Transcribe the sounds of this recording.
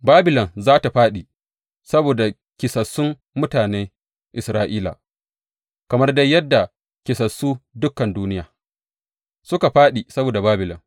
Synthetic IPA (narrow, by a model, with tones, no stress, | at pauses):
baː˦bɪ˨lɔ˨nzaː˦ta˨ɸaː˦ɗi˨ | sɐ˦boː˨da˨ | kʲɪ˨sɐ˨sːʊ˦m | mʊ˦taː˨neː˦ | ʔɪ˨sɾaː˦ʔiː˦la̰˨ | kɐ˨mɐ˦rda˦jɐ˦dːa˨ | kʲɪ˨sɐ˨sːuː˦dʊ˦kːɐ˨nduː˦nɪ˦jaː˨ | sʊ˦ka˨ɸaː˦ɗi˨sɐ˦boː˨da˨baː˦bɪ˨lɔ̰˨n